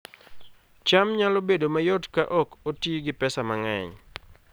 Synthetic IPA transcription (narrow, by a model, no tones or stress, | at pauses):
t͡ʃamɲalobedomajɔdkaʔɔkotiɡipɛsamaŋaɲ